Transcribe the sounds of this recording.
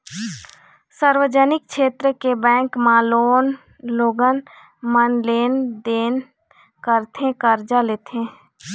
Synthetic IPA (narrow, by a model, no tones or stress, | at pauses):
səɾwəd͡ʒənɪk̚ʃeːt̪ɾəkebɛ̃ːŋkmaːloːn | loːɡən | mənleːnd̪eːn | kəɾt̪ʰẽkəɾd͡ʒaleːt̪ʰẽ